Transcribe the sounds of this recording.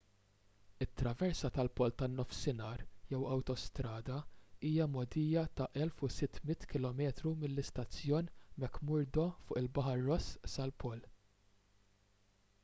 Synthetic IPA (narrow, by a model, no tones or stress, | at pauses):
ɪt̪ːɾɐvɛɾsɐt̪ɐlpɔːlt̪ɐnːɔfsɪnɐːɾjɛwɐwt̪ɔst̪ɾɐːd̪ɐiːjɐmɔd̪iːjɐt̪ɐʔɛlfʊsɪt̪ːmɪt̪ːkɪlɔmɛːt̪ɾumɪlːɪst̪ɐt͡sːjɔːnmɛkːmʊɾd̪ɔfʊːʔɪlbɐħɐɾːɔssɐlpʰɔːl